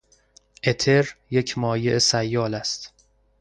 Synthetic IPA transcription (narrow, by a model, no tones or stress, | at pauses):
ʔe̞t̪ʰe̞ɾjecʰmɒːjeʔesæjːɒːlæst̪